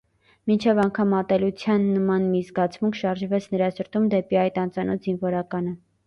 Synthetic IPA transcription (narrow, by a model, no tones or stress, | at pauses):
mint͡ʃʰɛvɑŋkʰɑmɑt̪ɛlut͡sʰjɑnːəmɑnmizɡɑt͡sʰmuŋkʰʃɑɾʒvɛt͡sʰnəɾɑsəɾt̪umd̪ɛpiɑjt̪ɑnt͡sɑnɔt̪zinvɔɾɑkɑnə